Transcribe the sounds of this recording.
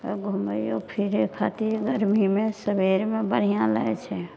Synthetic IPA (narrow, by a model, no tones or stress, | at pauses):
ɡʱuməjopʰiɾkʰat̪iɾɡəɾmimẽsəbeɾmẽbəɽ̤ijãla̰et͡ʃʰɛ